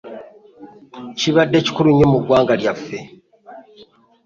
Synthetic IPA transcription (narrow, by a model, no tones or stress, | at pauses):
ciβadːe̞ci̥kuluɲomuɡwaːŋɡaljafːe̞